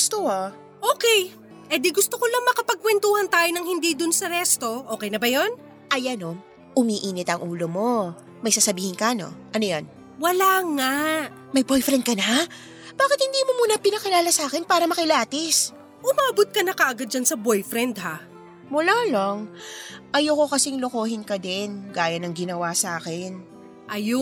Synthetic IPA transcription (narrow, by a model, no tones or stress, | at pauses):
ɡst̪oho | ʔoːkɛj | ʔɛd̪iɡʊst̪okolɐŋmɐkɐpɐɡ̚kwɛnt̪uːhɐnt̪aːjonɐŋhɪnd̪iːd̪ʊnsɐɾɛst̪o̞ʔoːkɛjnɐbɐjo̞n | ʔɐjɐno | ʔʊmiʔiːnɪt̪ɐŋʔuːlomo̞ | mɐjsaːsɐbiːhɪnkɐno̞̰ʔɐnojo̰n | wɐlaːŋaʔ | mɐjbojfɾɛn̚kɐna | b̥aːkɪt̪̚hɪnd̪iːmomuːnɐpɪnɐkɪlaːlɐsaːkɪnpaːɾɐmɐkɪlaːt̪ɪs | ʔʊmaːbʊt̪̚kɐnɐkɐʔɐɡad̪̚d͡ʒɐnsɐbojfɾɛnd̪ha | mʊloːlo̞ŋʔɐjokokɐsɪŋlokoːhɪnkɐd̪ɪnɡaːjɐnɐŋɡɪnɐwasaːkɛn | ʔɐjo